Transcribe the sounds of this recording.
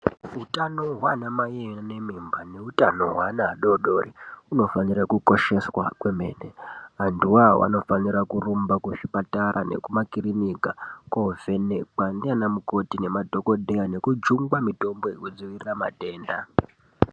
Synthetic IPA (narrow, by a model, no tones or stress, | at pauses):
utanoɦwanamajeanemimbane̞utano̞ɦwanaːɗoɗo̞riuno̞fanirakuko̞ʃe̞swakwe̞me̞̰ːneɦanduwawʔa̰no̞fanirakurumbakuʃipataɾʔa̰ne̞̰kumakiɾinikakove̞nekandianamuko̞tinemadʱo̞ko̞dʱejane̞kud͡ʒuŋɡwamito̞mbo̞ikud͡ziʋirirama̰te̞ːnda̰